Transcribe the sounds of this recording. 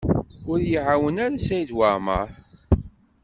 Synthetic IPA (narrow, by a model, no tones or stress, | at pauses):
ʊɾjəʕawənaɾasæjd̪wamə̰ɾ